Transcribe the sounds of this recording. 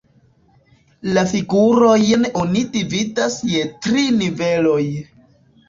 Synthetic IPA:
lafiɡuɾo̞jnonidividasje̞tɾinive̞lo̞j

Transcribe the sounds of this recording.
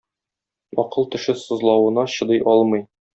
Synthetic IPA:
ɒqɤlˠt̪ɘ̆ʃɘsŏzlˠɑwɤ̆nɑɕɤ̆d̪ɤjʔɒlˠmɤ̆j

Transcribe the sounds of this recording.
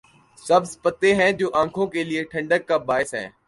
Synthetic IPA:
səbzpət̪eɦɛ̃ːd͡ʒoːʔãːkʰõːkeːlɪeʈʰə̃ɳɖəkːaːbaːɪsɦɛ̰̃ː

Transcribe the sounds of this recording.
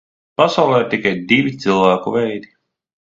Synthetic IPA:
pasawlˠɛːɾt̪ikajd̪ivʲit̪silˠvæːkuvɛjd̪i

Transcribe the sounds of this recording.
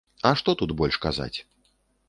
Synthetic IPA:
ɐʂt̪ɔt̪ud̪bɔlʲʂkaza̰t͡sʲ

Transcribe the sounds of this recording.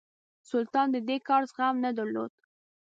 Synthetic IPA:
sʊlt̪ɑnd̪əd̪ekɑɾzɣamnad̪əɾlo̰d̪̥̚

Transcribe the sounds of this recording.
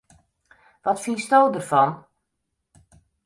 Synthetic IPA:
ʋɔtfinstowdərfɔn

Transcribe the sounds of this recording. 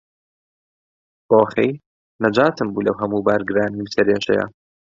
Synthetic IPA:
boːxej | nɐd͡ʒaːt̪ɨmbuːlɐwɦɐmuːbaːɾɡɨɾaːniwsɐɾeːʃɛ̰jɐ̰

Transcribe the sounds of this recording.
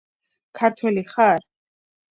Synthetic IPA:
kʰaɾt̪ʰwɛliχaɾ

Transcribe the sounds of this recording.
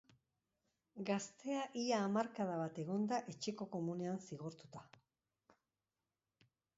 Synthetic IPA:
ɡast̪e̞aʔiaːmaɾkaðaβat̪e̞ɣo̞nd̪aʔet͡ʃeko̞ko̞mune̞ansiɣ̞o̞ɾt̪u̥t̪ḁ

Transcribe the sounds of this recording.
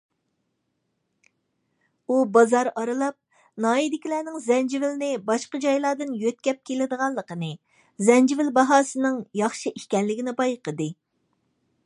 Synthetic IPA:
ubɑzɑɾɑɾɨlˠɑp̚ | nɑːid̪ɪkʲilɛːnɪŋzɛnd͡ʒivɪlnɪbɑʃqəd͡ʒɑjlˠɑːd̪ɨnjøt̪̚kʲɛp̚kʲʰelɪd̪əʁɑlˠːəqənɨ | zɛnd͡ʒivɪlbɑɦɑːsɨnɨŋjɑχʃɨʔiʃkʲɛnlɪɡʲinɪbɑjqəd̪ɨ

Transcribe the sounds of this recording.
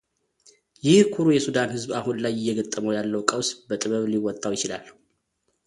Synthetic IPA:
jɪhkʰuɾujɛsud̪anhɨzbahunlajɪjːɛɡət̪ʼːəməwjalːəwkʼəwsbət̪ʼɨβəβliwɔt̪ʼːawjɪt͡ʃɪla̰l

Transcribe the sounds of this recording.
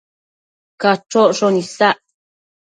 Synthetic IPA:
kaʈ͡ʂoʔʂonisaʔ

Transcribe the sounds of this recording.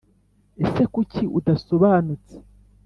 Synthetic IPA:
ese̞kuciʔudaso̞βaːnut͡se̥

